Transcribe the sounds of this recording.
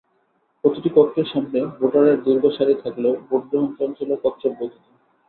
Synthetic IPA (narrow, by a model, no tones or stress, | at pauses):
pɾot̪iʈikɔɾkːeɾʃamnebʱoʈaɾeɾd̪uɾɡʱoʃaɾit̪ʰakleoboʈɡɾoɦont͡ɕɔnt͡ɕolokɔt̪ːɕʰobbod̪ʱit̪o